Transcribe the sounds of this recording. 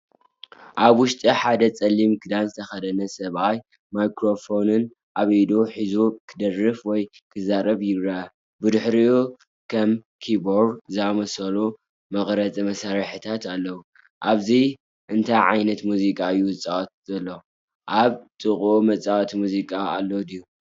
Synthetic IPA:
ʔaβwʊʃt̪ʼiħad̪ɐt͡sʼɐlːimkʰɨd̪anzɨt̪ʰɐxɐd̪ɐnɐsɐβaj | majkɾo̞fo̞nɨn | ʔaβɐjd̪oħizukʰɨd̪ɐrɨfwɔj | kʰɨzaɾɐβjɪβɾa | bɨd̪ɨħɾiu | kʰɐm | kʰiboɾzɨamɐsɐlu | mɐxɾɐt͡sʼimɐsaɾħɨt̪ʰat̪alːɐwu | ʔaβzi | ʔɨnt̪ʰajʕa̰jnɐt̪muzikʼaɨjːuɨt͡sʼawt̪̚zɐlːo | ʔaβt̪ʼɨχʼumɐt͡sʼawt̪ʰmuzikʼaalːod̪iju

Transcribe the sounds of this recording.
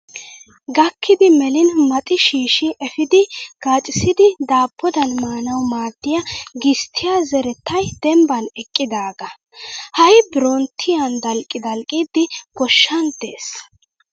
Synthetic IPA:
ɡɐkʰːɪd̪ɪmɛlɪnmɐt̪ʼɪʃiːʃɪʔɛfɪd̪ɪɡ̥aːt͡ʃʼɪsɪd̪ɪd̪aːpʰːɔd̪ɐnmaːnɐwmaːd̪̥ːɪjɐɡɪst̪ʰːɪjazɛɾɛt̪ːɐjd̪̥ɛmbɐnɛkʼːɪd̪aːɡɐ | hɐjbɪɾont̪ʰːɪjɐnd̪ɐlkʼːɪd̪ɐlkʼiːd̪ːɪɡ̥ɔʃːɐnd̪eːs

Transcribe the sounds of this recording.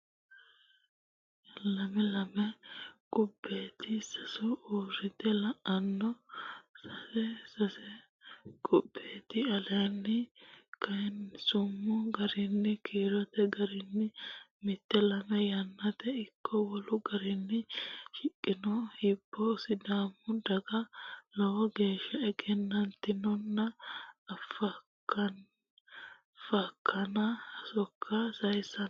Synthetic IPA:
lɐmɛlɐmɛkʼʊbːeːt̪ʰɪsɐsɔoːɾɪt̪ɛlɐʔɐnːɔsɐsɛsɐsɛ | kʼʊbːeːt̪ɪɐlɐnːɪkɐnsʊmːʊɡɐɾɪnːɪkʰiːɾɐt̪ɛɡɐɾɪnːɪmɪt̪ːɛlɐmɛjɐnːɐt̪ɛɪkʰːɔwɔlʊɡɐɾɪnːɪʃɪkʼːɪnɔhɪb̥ːɔsɪd̪aːmːʊd̪ɐɡɐlɔwɔɡe̞ːʃːɐɛɡɛnːɐnt̪ːɪnɔnːɐː | fɐkːɐn | fɐkʰːɐnɐɐsɔkʰːɐsɐjsɐ

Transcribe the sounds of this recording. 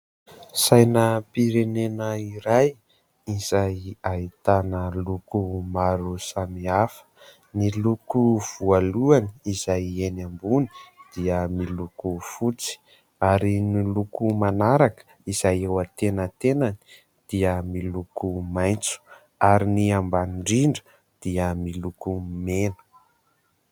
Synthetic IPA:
sajnəpiɾenenəiɾaj | izajait̪anəlukumaɾusamiafə̥ | nilukuv̥ualuaniizajenambuni̥d̪̥iəmilukufut͡si̥ | aɾinilukumanaɾakə̥ | iz̥ajewat̪enət̪enani | d̪̥iəmilukumajnt͡su̥ | aɾiniambanɳɖ͡ʐiɳɖ͡ʐə̥ | d̪̥iəmilukumenə̥

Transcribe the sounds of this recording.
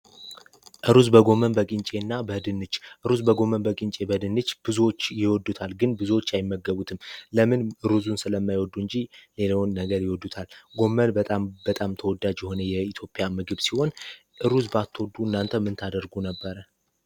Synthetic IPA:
ʔɨɾuzbəɡo̞mənbəkʼint͡ʃʼe̞nːabəɨd̪ɨnːɨt͡ʃːʔɨɾuzbəɡo̞mənbəkʼint͡ʃʼe̞bəd̪ɨnːɨt͡ʃːb̥ɨzuwo̞t͡ʃːjɪwɔd̪ːut̪ʰalɡɨnbɨzuwo̞t͡ʃːjajɪmːəɡəβut̪ʰɨmləmɨnɨɾuzunsɨləmːajwɔd̪ːuɨɲd͡ʒile̞ləwnːəɡəɾjɪwɔd̪ːut̪ʰalɡo̞mːənbət̪ʼambət̪ʼamt̪ʰəwɔd̪ːad͡ʒjɛho̞nəjɛit̪ʰjo̞pʼjamɨɡɨβsiho̞n | ʔɨɾuzbat̪ʰːwɔd̪ːuɨnːant̪ʰəmːɨnt̪ʰad̪əɾɡunəbːəɾə

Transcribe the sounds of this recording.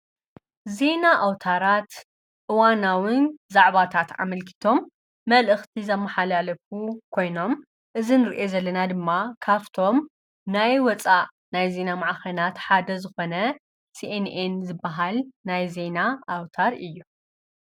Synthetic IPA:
ze̞naʔawt̪ʰaɾat̪ | ʔɨwanawɨnzaʕβat̪ʰat̪ʕa̰mɐlkʰi̥t̪ʰo̞mː | ɐlʔɨxt̪ʰizɐmːɐħalalɐfukʰo̞jno̞m | ʔɨzinɨɾʔe̞zɐlːɐnad̪ɨmːakʰaβt̪ʰo̞m | najwɔt͡sʼaʔ | najze̞namaʕaxɐnat̪ħad̪ɐzɨxo̞nɐ | siʔenenzɨbːaɦalnajze̞naʔawt̪ʰaɾɨjːu

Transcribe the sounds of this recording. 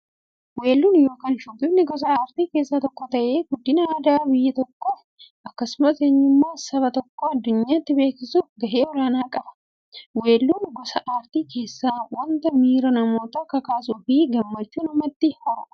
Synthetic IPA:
we̞ːlːuːnjo̞ːkaːnʃʊɡʊnːɪɡɔs̬ɐaːɾt̪iːke̞ːsːaːt̪ɔkːɔt̪ɐʔe̞ːɡʊd̪ːɪnɐaːd̪aːbɪjːɐt̪ɔkːɔ | ʔɐkːɐsʊmɐseːɲːʊmːaːsɐβɐt̪ɔkːoɐd̪ːʊɲːaːt̪ːɪbe̞ːkɪsuːfɡɐʔe̞ːwɔɾaːnaːkʼɐbɐ̥ | we̞ːlːuːnɡɔsɐʔaːɾt̪iːkʰe̞ːsːaːwɐnt̪ɐmiːɾɐnɐmo̞ːt̪ɐkɐkaːsufiːɡɐmːɐt͡ʃːuːnɐmɐt̪ːɪhɔɾ

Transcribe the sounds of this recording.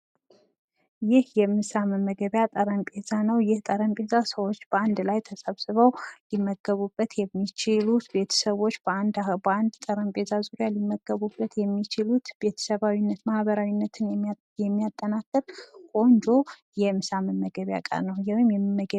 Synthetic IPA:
jɪhjɛmɨsaməmːəɡəβjat̪ʼəɾəmpʼe̞zanəwjɪht̪ʼəɾəmpʼe̞zasəwo̞t͡ʃːb̥əand̪lajt̪ʰəsəβsɨβəwlɪmːəɡ̥əβubːət̪jɛmːit͡ʃɪlut̪be̞t̪ʰə̥səβo̞t͡ʃːb̥əand̪band̪t̪ʼəɾəmpʼezazuɾjalimːəɡ̥əβubːət̪jɛmːit͡ʃɪlut̪be̞t̪ʰə̥səβawinːət̪mahβəɾawinːət̪ʰɨn | jɛmːijat̪ʼːənakʼːɨɾkʼo̞nd͡ʒo̞ | jɛmɨsaməmːəɡəβja̰kʼa̰ɾnəwjɛwmjɛmmːəə

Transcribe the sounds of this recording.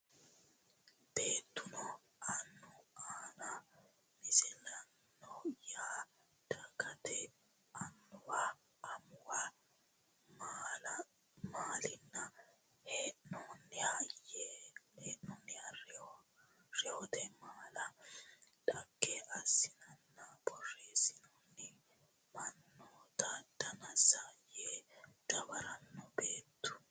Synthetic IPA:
b̥e̞ːt̪ːʊnɔ | ɐnːɔaːnɐ | mɪsɛnːɐ | nɔjaː | d̪̥ɐkɐt̪ɛ | ɐnːʊwaː | mʊwa | maːlɐ | maːlɪnːɐ | heːʔnoːnːɪhɐjeːeːʔnoːnːɪɐr | ɾɛɔt̪ɛmaːlɐ | d̪ɐkːɛʔɐsːɪnɐnːɐb̥ɔrːeːsɪnoːnːɪ | mɐnːoːt̪ɐd̪ɐnɐsajeːd̪̥ɐbɐɾɐnːɔbeːt̪ːʊ̥

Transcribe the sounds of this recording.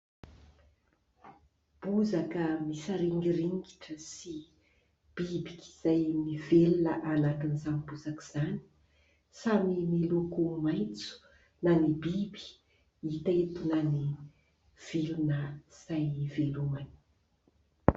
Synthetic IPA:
b̥uzakəmisaɾiŋɡiriŋɡiʈ͡ʂəsi | b̥ibikʲi̥z̥ajmivelunəʔanak̪inizanibuzakiz̥ani̥ | samimilukumajnt͡su̥ | nanibibi̥ | it̪aet̪unani | v̥ilunəz̥ajvelumani̥

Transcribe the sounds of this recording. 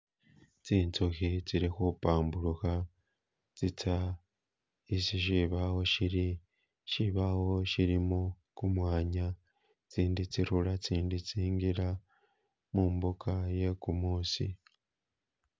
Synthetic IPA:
t͡siːnt͡suxit͡siɾixupaːmbuɾuxa | t͡sit͡sʰa | isiʃiβahoʃiɾi | ʃiβaho̞ʃiɾimo | kumwaːɲa | t͡siːndit͡siɾulat͡siːndit͡siːŋɡiɾa | muːmbukʰaje̞kumuːsḭ

